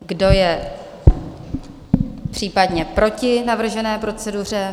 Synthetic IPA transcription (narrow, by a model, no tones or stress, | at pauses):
ɡdo̞jɛ | pr̝̥iːpadɲɛpɾo̞cɪnavr̩ʒɛnɛːpɾo̞t͡sɛdur̝ɛ